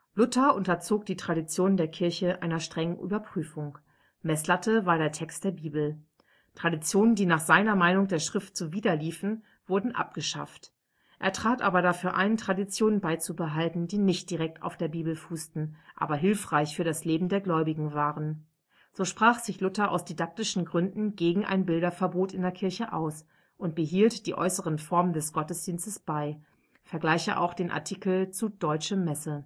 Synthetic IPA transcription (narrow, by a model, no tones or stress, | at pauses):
lʊtɐʔʊntɐt͡soːk̚d̥iːtʁ̥adit͡sjoːnəndeːɐkʰɪɐçəʔa̰ɪnɐʃtʁ̥ɛŋənʔy̰ːbɐpʁ̥yːfʊŋ | mɛslatʰəvaːɐɾeːɐtʰɛkst̚d̥eːɐbiːbl̩ | tʁ̥adit͡sjoːnəndiːnaːχz̥aɪnɐmaɪnʊŋdeːɐʃʁ̥ɪft̚t͡suviːdɐliːfn̩ | v̥ʊɐdn̩ʔa̰p̚ɡ̥əʃa̰ft | ʔeːɐtʁ̥aːtʔa̰ːbɐɾafyːɐʔa̰ɪntʁ̥adit͡sjoːnənbaɪt͡subəɦaltn̩diːnɪçt̚d̥iʁɛk̚ta̰ʊfd̥eːɐbiːbl̩fuːstn̩ʔa̰ːbɐɦɪlfʁ̥aɪçfyːɐɾasleːbm̩deːɐɡlɔʏbɪɡŋ̩vaːʁən | z̥oːʃpʁ̥aːχz̥ɪçlʊtɐʔa̰ʊsd̥idak̚tɪʃn̩ɡʁʏndn̩ɡeːɡŋ̩ʔa̰ɪnbɪldɐfɛɐboːtɪndeːɐkʰɪɐçəʔaʊs | ʔʊnt̚b̥əɦiːltd̥iːʔɔ̰ʏsəʁənfɔɐməndɛsɡ̥ɔtəsd̥iːnstəsb̥aɪ | fɛɐɡlaɪçə̰ʔa̰ʊxd̥eːnʔa̰ɐtʰikl̩t͡sudɔʏt͡ʃəmɛsə